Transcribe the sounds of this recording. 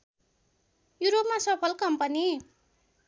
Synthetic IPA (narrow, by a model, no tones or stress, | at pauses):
juɾopmasʌpʰʌlkʌmpʌni